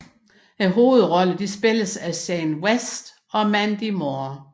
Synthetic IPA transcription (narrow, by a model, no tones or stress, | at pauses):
eɦo̝ːð̞̩ˠʁɒ̽ləd̥isb̥e̝ləsæsɛɪnwesd̥ | ɒ̽mænd̥imo